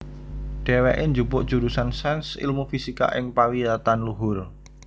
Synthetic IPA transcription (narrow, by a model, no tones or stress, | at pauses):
ɖ̥ɛ̤wɛʔeɲd͡ʒupʊʔd̥ʒ̥uɾusansɛnsḭlmufisika̰ʔɪŋpawiat̪anluɦʊr